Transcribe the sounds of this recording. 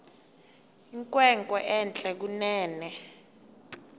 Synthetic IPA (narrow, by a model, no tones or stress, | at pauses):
iŋkʼwɛŋkʼɔʔɛnt͡ɬʼɛk̬unɛːnɛ